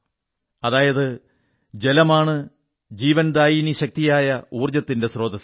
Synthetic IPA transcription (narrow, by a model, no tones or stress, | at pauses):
ɐðaːjɐðɨ | d͡ʑe̞lɐmaːɳɨ | d͡ʑiːʋɐnd̪aːjiniɕɐk̚t̪ijaːjɐuːrd͡ʑɐt̪ːinde̞sro̞ːd̪ɐs